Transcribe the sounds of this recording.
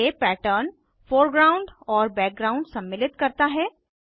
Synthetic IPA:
epɛːʈəɾn | foːɾɡɾaːʊ̃ɳɖɔːɾbɛːk̚ɡɾãːʊ̃ɳɖsɐ̃mːɪlɪt̪kɐɾt̪aɦɛː

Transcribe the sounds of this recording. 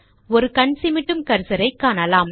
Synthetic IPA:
ɔɾɯkɐɳsɪmɪʈːɯmkɐɾsɐɾɐɪkːaːnɐlaːm

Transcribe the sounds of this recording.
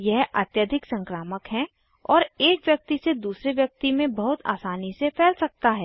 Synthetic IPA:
jɛɦɐ̰t̪jəd̪ʱɪksə̃ŋkɾaːməkɦɛ̃ | ɔːɾeːkʋjɐk̚t̪ised̪uːsɾeʋjɐk̚t̪imẽbɐɦʊt̪a̰ːsaːnisepʰɛːlsɐk̚t̪aɦɛː

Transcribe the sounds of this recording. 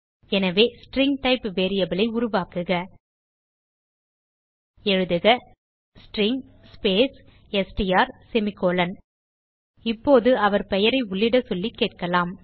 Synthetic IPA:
ɛnɐʋeːsʈɾɪŋɡʈɐɪpʋeːɾɪjɐbɪlɐɪʊɾʊʋaːkɯɣɐ | ɛɻɯðɯɣɐ | sʈɾɪŋ | speːs | ɛsʈijaːɾsɛmɪkːoːlɐn | ɪpːoːðɯɐʋɐɾpɛjɐɾɐɪʊɭːɪɽɐsɔlːikːeːʈ̚kɐlaːm

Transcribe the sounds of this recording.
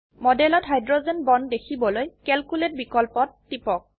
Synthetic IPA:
mɔdɛlɔtɦajdɹozenbɔndekʰibɔlojkɛlkulet̚bikɔlpɔtːipɔk̚

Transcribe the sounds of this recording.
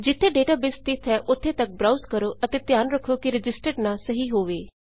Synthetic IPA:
d͡ʒɪt̪ʰːeːɖeːʈaːbɪst̪ɪt̪ʰɛːʔʊt̪ʰːeːt̪ək̚bɾaːuzkəɾoːʔət̪eːt̪jaːnɾəkʰːoːkiɾɪd͡ʒɪsʈəɖnaːsəɦiːɦoːʋeː

